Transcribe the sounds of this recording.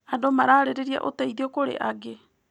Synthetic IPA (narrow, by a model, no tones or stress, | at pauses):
adomaɾaːɾeɾeɾia̰ʔoteiðiokoɾḛʔaɡe